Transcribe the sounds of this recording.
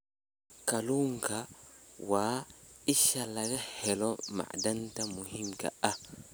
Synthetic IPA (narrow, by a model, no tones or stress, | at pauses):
kaluŋkawaːiʃalaɡahɛlɔma̰ʔdantamuɦimka̰a